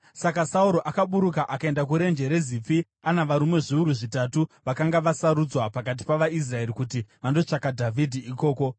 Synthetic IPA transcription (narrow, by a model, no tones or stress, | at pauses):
sakasauɾo̞ʔakaɓuɾukaʔakae̞ndak̬uɾe̞nd͡ʒe̞ɾe̞zip͡fi | anaʋaɾumwe̞ʐiuɾuʐitatuʋakaŋɡaʋasaɾud͡zwapakat̬i̥paʋais̬rae̞ɾikut̬iʋando̞t͡ʂakadʱavʱidʱiiko̞ːko̞